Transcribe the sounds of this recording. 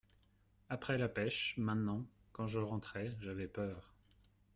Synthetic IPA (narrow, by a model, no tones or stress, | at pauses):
apχɛlapɛʃmɛ̃t̪nɑ̃kɑ̃ʒəʁɑ̃t̪χɛʒavɛpœːʁ